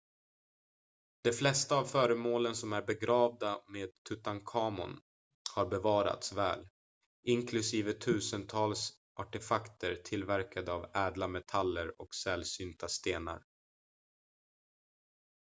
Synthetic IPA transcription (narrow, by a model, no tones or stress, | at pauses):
d̪̥ɛflɛst̪aːvfœːɾəmoːlənsɔmæɾbɛɡɾɑːvd̪ameːd̪̚t̪ʰɵt̪ankʰɑːmʊ̰n | haɾbɛvɑːɾa̰t̪svɛ̰ːl | ʔɪnkʰlɵsiːvət̪ʰʉ̟ːsənt̪ʰɑːls | ʔaʈɛfakt̪əɾt̪ʰɪlvæɾkʰad̪əavɛːd̪lamɛt̪ʰalːəɾɔksɛlsyːnt̪ʰast̪eːna̰ɾ